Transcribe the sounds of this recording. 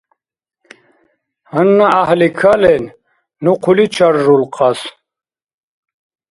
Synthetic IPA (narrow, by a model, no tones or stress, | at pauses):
hənːaahlikʰalen | nuqʰulit͡ɕʰaɾʐulqɑs